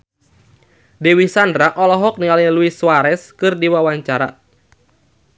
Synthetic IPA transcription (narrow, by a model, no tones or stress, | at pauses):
dɛwisandɾaʔɔlɔɦɔk̚niŋaliluiswaɾɛskɨrdiwawaɲt͡ʃaɾa̰